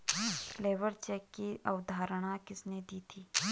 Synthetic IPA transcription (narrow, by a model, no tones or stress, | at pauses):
fleːʋəɾt͡ʃɛːkːiʔɐ̰ʊd̪ʱaːɾəɽ̃akɪsned̪iːt̪ʰiː